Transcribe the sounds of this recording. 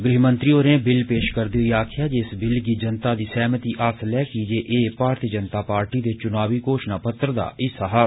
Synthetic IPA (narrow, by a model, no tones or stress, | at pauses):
ɡɾɪɦmənt̪ɾiːoːɾẽːbɪlpeːʃkəɾd̪eːɦʊiːaːkʰɪjaːd͡ʒeɪsbɪlɡiːd͡ʒənt̪aːd̪iːsɛːmət̪iːʔaːslɛːkid͡ʒeːʔeːpaːɾt̪iːəd͡ʒənt̪aːpaːɾʈiːd̪eːt͡ʃʊnaːʋiːkoːʃnaːpət̪ːɾəd̪a̰ːʔɪsaːɦa